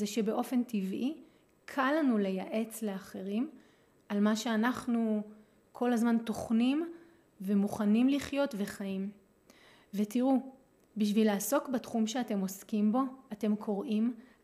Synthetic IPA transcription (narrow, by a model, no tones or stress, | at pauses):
zeʃe̞be̞ʔo̞fe̞ntivʔi | kʰalanule̞jaʔe̞t͡sle̞aχe̞ʁim | almaʃe̞anaχnu | kʰo̞lazmanto̞χnim | ve̞muχanimliχjo̞tve̞χajim | ve̞tiʁu | biʃvilaːso̞kbatχumʃeate̞mo̞skimbo̞ate̞mkʰo̞ʁʔim